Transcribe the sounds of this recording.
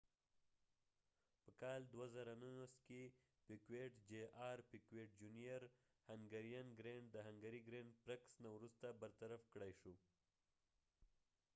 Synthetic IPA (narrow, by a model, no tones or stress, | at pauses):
pəkɑld̪wazaɾanunaske | pikweʈd͡ʒeɑɾpikweʈ̚d͡ʒunijaɾ | haŋɡaɾjanɡɾeɳɖd̪əɦaŋɡaɾiɡɾeɳɖpɾaksnawɾust̪abəɾt̪aɾafkɽajʃu